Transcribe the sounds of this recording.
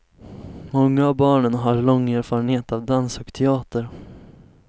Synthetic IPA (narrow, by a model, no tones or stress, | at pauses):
mɔŋːaːvbɑːɳənɦaɾlɔŋːeːɾfɑːɾənheːt̪avd̪ansɔkt̪ʰɛɑːt̪əɾ